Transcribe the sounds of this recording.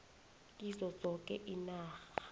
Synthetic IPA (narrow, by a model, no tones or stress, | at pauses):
k̬ʼizɔz̥ɔkʼɛʔinaːxa